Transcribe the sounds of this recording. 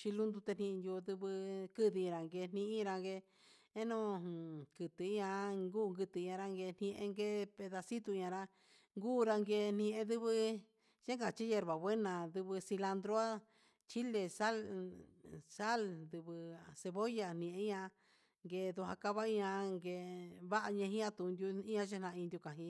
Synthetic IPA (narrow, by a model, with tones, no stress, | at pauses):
t͡ʃi˧lu˦nd̪u˧t̪e˧nĩ˧njo˧d̪ɨ˧βɨ˧kɨ˦ði˧ɾa˨ŋɡe˧n̥nĩ˦ʔĩ˦ɾa˧ŋɡe˧ | e˦nõ˦kɨ˨t̪ɨ˨i˦ɲã˧ŋɡuː˦˨ŋɡɨ˧t̪ɨ˨˧ɲã˧ɾa˧ŋɡe˧n̥ĩ˧ʔḛ̃˧ŋɡe˦pe˧ða˧si˦t̪u˧ɲã˧ɾa˧ | ŋɡuː˦˧ɾa˧ŋɡe˧n̥ĩ˧ʔẽ˧d̪ɨ˦βɨ˧ | ʒe˦ŋɡa˨t͡ʃi˦je˧ɾβa˨βʷe˦nã˨d̪ɨ˧βɨ˧si˧la˧nd̪ɾo˦a˦ | t͡ʃi˦le˧sa˦l | sa˦lnd̪ɨ˧βɨ˧se˧βo˦ja˧n̥ĩ˧˨ʔẽ˧˦ɲã˧ | ŋɡe˧d̪u˧ɦa˧ka˧βa˦i˦ɲã˧ŋɡe˧βa˦ʔa˧ɲẽ˧ɦĩ˦ã˧t̪u˨˧nd̪ju˧i˦ɲã˧ʃ̬e˦nã˧ĩ˧nd̪ʲju˧kã˨ɦĩ˧